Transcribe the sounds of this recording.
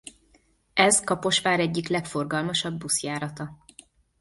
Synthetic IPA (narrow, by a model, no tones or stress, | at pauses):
ɛzkɒpo̞ʃʋaːɾɛɟːiklɛkfo̞rɡɒlmɒʃɒbːusjaːɾɒt̪ɒ